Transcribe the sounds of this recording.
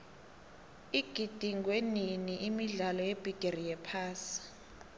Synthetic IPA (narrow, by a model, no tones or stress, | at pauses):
iɡ̥ʱid̥ʱiŋɡweniniʔimiɮalɔjeb̥ʱiɡ̥ʱerijɛpʰaːsi̥